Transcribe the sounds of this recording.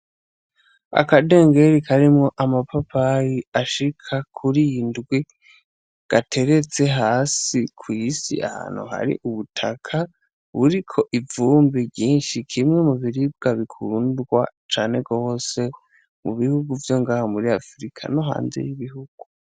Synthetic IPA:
a̰kade̞ːŋɡe̞ɾikʰaɾimŋo̞ʔamapapajiaʃikʰakʰuɾijndɡwi | ɡ̥atʰe̞ɾe̞t͡se̞ɦaːsikʰwiːsḭa̰ha̰ːn̥hṵha̰ɾḭʔuβutʰakʰa | βuɾikʰo̞ʔivuːmbibɟiːnʃikʰimŋe̞muβiɾib̚ɡaβikʰundɡwat͡ʃaːne̞ɡo̞ːse̞ | mṵβihuɡuvjo̞ŋɡaːhamuɾiafɾikʰa̰noɦa̰ːnze̞̰jiβihuɡ̥u

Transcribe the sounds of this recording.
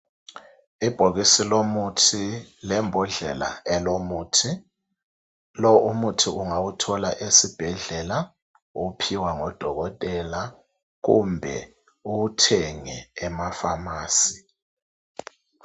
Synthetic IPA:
ib̥ʱoɣisilomutʰilɛmbʱɔɮɛla̰ɛlomuːtʰi | lɔumutʰiuŋawutʰɔlaʔesib̥ʱɛɮɛla | upʰiwaŋɔd̥ʱɔɣɔtʼɛla | ɣṵmbʱɛ | uwutʰɛŋɛːmafamaːsi̥

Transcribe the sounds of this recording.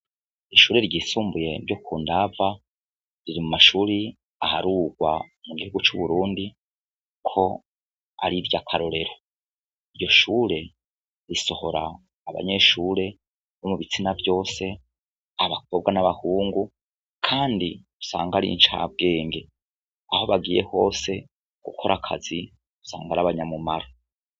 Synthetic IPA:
iʃuːɾe̞ɾɟisuːmbuje̞bɟokʰuːndava | ɾiɾimumaʃuːɾi | ahaɾuːɡwamuɡihuɡut͡ʃuβuɾuːndi | kʰo̞ | a̰ɾiɾjakʰaɾo̞ɾe̞ɾo | iɾjo̞ʃuːɾe̞ | ɾiso̞ho̞ɾaː | βa̰ɲe̞ʃuːɾe̞ | nomuβit͡sinavjo̞ːse̞ | aβak̚ʰo̞b̚ɡanaβahuːŋɡu | kʰaːndiu̥sa̰ːŋɡaɾḭnt͡ʃa̰ːb̚ɡe̞ːŋɡe̞ | aho̞βaɡiːje̞ho̞ːse̞ | ɡ̥ṵkʰo̞ɾʔakʰa̰zi | u̥sa̰ːŋɡaɾaβaɲamumaɾo

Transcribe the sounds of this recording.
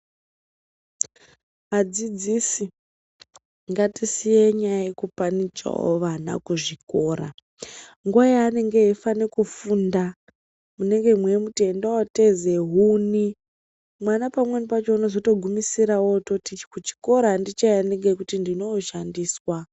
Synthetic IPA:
ad͡zid͡zisi | ŋɡatisijeɲajajekupanid͡ʒḛɦo̰ʋana̰kuʐiko̞ːɾa̰ | ŋɡwajaːne̞ŋɡeifanekufunda | mune̞ŋɡe̞mwe̞mutendowate̞ze̞ɦuni | mwanapamwenipat͡ʃo̞uno̞zo̞to̞ɡʱumisiɾawototikut͡ʃi̥ko̞ɾandit͡ʃajaneŋɡekutindino̞ːʃandiːswa

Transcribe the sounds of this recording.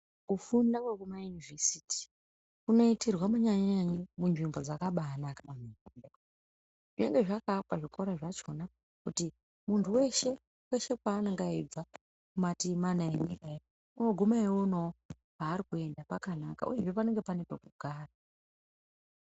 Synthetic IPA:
kufundakwekumajunivesiti̥ | kuno̞itirwamuɲaɲɲaɲimunʐimbo̞d͡zakaɓanakanamii | ʐ̥ine̞ŋɡe̞ʐakapaʐiko̞ɾaʐat͡ʃo̞na | kuti | muntʰuwe̞ʃe̞ | we̞ʃe̞k̚waːnaŋɡaib͡va | kumatimanaenikae | unoɡʱomaewonoo | paːɾikue̞ndapakanaka̰ʔṵje̞ʐepane̞ŋɡe̞panepekuɡʱaːra

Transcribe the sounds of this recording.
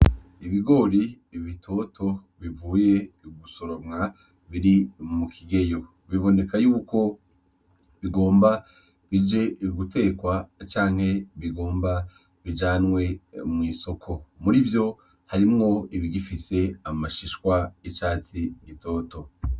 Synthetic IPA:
iβiɡo̞ɾi | βitʰo̞tʰo̞ | βivuːje̞ɡuso̞ɾo̞mŋa | βiɾimukʰiɡe̞jo̞ | βiβo̞ne̞kajuːko̞ | βiɡo̞ːmba | βid͡ʒe̞ɡutʰe̞ːkwat͡ʃaːŋ̥he̞βiɡo̞ːmba | βid͡ʒaːnwe̞mŋiːso̞kʰo̞muɾivjo̞ | haɾimŋo̞iβiɡifise̞amaʃiʃkwait͡ʃaːt͡siɡito̞ːto̞

